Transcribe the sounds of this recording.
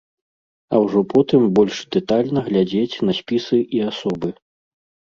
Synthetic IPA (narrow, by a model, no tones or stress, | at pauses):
ɐwʐɔpʰɔt̪ɨmbɔlʲʂd̪ɛt̪alʲnɐɣlʲad͡zʲet͡sʲn̪ɐsʲpʲisɨʔiasɔbɨ